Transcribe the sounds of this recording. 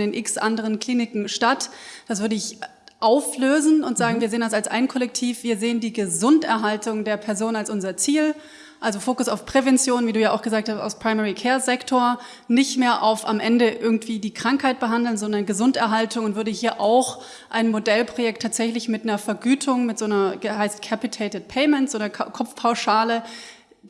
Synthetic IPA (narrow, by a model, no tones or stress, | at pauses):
deːnʔɪksʔa̰ndəʁənkl̥iːnɪkŋ̩ʃtatd̥as̬v̥ʏɐdəɪç | ʔaʊfløːzn̩ʊntz̥aːɡŋ̩viːɐzeːəndas̬alsʔa̰ɪnkʰɔlɛktʰiːfv̥iːɐzeːəndiːɡəzʊntɛɐɦaltʊŋdeːɐpʰɛɐzoːnənalsʔʊnzɐt͡siːl | ʔalzofoːkʊsaʊfpʁ̥evɛnt͡sjoːnviːduːjaːa̰ʊxɡ̥əzaːk̚thasta̰ʊspʁ̥aɪmɛːʁikʰɛːɐzɛktʰoːɐ | nɪçtmeːɐʔa̰ʊfa̰mʔɛndəʔɪɐɡŋ̩tv̥iːdiːkʁ̥aŋkhaɪt̚b̥əɦandl̩nzɔndɐnɡəzʊntɛɐɦaltʊŋʊntv̥ʏɐdəhiːɐʔaʊx | ʔaɪnmodɛlpʁ̥ojɛk̚tʰːaːtz̥ɛçlɪçmɪtnɐfɐɡyːtʰʊŋmɪtz̥oːnɐəhaɪstkʰɛpitʰeɪtət̚pʰɛɪmɛntz̥oːnɐkʰɔp͡fpʰaʊʃaːlə